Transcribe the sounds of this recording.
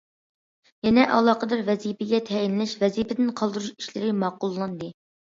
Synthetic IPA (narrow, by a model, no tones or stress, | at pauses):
jɛnɛʔɑ̰lˠɑːqəd̪ɑɾvɛzipʰɪɡʲɛt̪ʰɛjinlɪʃvɛzipʰɪd̪ɪnqʰɑlˠd̪ɨɾuʃi̥ʃlɪɾɪmɑːqʊlˠːɑnd̪ɨ